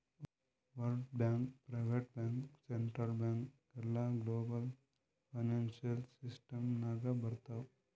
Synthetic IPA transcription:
ʋəlɖbãŋkpɾaɪʋeʈ̚bãŋkseɳʈɾəlbãŋkɡɐɾlaɡloːbəl | faɪnãnsəlsɪsʈəmnaːɡabɐɾt̪aw

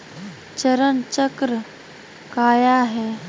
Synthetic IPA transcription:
t͡ʃəɾənt͡ʃəkɾə | kaːjaɦɛː

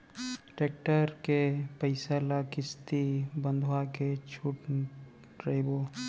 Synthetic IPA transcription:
ʈeːk̚ʈəɾkepəɪsalakɪst̪ibə̃nd̪ʱoaket͡ʃʰuʈ | ɾeibo

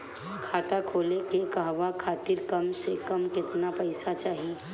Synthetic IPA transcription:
kʰaːt̪akʰoːlekekɐɦʋakʰaːt̪ɪɾkɐmsekɐmkɪt̪napɐɪsat͡ʃaːɦi

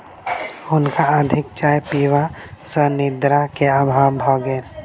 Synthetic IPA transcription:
ʊnkaəd̪ʱɪkt͡ʃaːjpiːʋasənɪd̪ɾakeabʱawbʱaɡen

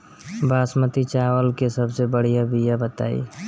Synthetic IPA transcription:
baːsmət̪it͡ʃawəlkesəbsebəɽ̤ijabijabət̪a̰ːḭ

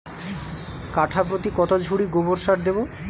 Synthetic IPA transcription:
kaʈʰapɾot̪ikɔt̪od͡ʑʱuɽiɡoboɾʃaɾd̪ebo

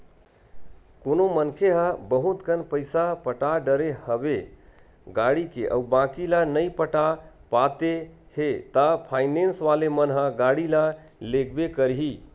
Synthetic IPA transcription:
konomənkʰeɦabəɦut̪kənpəɪsapəʈaɖəɾehəbe | ɡaɽikḛʔə̰ubãkilanəjpəʈapat̪e | het̪apʰaɪnensʋalemənɦəɡaɽila | lekʰbekəɾɦi

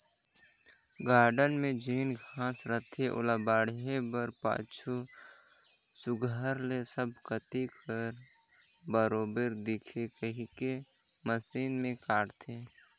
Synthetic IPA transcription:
ɡaːɾɖənmẽd͡ʒiːnɡʱãːsɾət̪ʰeʔʊ̰labaːɽɦebəɾpa̰ːt͡ʃʰu | sʊɡəɾlesəbkət̪ikʰəɾ | bəɾoːbeɾd̪ɪkʰekəɦike | məsiːnmẽkaːɽt̪ʰeː

